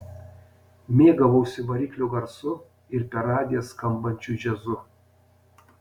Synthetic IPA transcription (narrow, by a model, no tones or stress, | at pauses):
mʲeːɡɐʋɐʊsʲɪʋɐɾʲiːkʲlʲoɡɐɾsʊ | ɪɾpʲɛɾɑːd̪ʲeːskɐmbɐnʲt͡ʃʲuˑʒʲɛzʊ